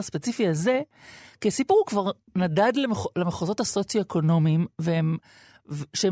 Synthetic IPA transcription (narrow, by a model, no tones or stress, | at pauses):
aspet͡sifiaze̞ | kisipuʁukvaʁ | nadadlelemeχozo̞thaso̞t͡sjoekʰo̞no̞miimveem | vʃee